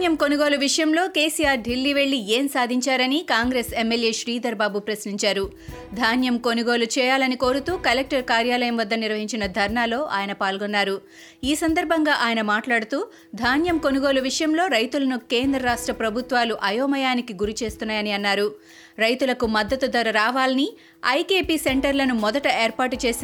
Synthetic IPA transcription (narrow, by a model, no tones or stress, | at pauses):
jɐmko̞nuɡo̞ːluʋiʂɐjɐmlo̞ːke̞ːsijaːɾɖilːiːʋe̞ɭːieːmsaːd̪ʱiɲt͡ʃaːɾɐnikaːŋɡɾeːsemːeljeːʃɾiːd̪ɐɾbaːbupɾɐsniɲt͡ʃaːɾu | d̪ʱaːnjɐmko̞nuɡo̞ːlut͡ʃɛːjaːlɐniko̞ːɾut̪uːkɐlek̚ʈɐɾkaːɾjaːlɐjɐmʋɐd̪ːɐniɾʋɐɦiɲt͡ʃinɐd̪ʱɐɾɳaːlo̞ːʔa̰ːjɐnɐpaːlɡonːaːɾu | iːsɐnd̪ɐɾbʱɐŋɡaːʔaːjɐnɐmaːʈlaːɽut̪uː | d̪ʱaːnjɐmko̞nuɡo̞ːluʋiʂɐjɐmlo̞ːɾɐjt̪ulɐnukeːnd̪ɾɐɾaːʂʈɾɐpɾɐbʱut̪ʋaːluʔɐjoːmɐjaːnikiɡuɾit͡ʃe̞ːst̪unːaːjɐniɐnːaːɾu | ɾɐjt̪ulɐkumɐd̪ːɐt̪ud̪ɐɾɐɾaːʋaːlɐni | ɐ̰jkeːpiːseɳʈɐɾlɐnumɔd̪ɐʈɐeːɾpaːʈut͡ʃe̞ːs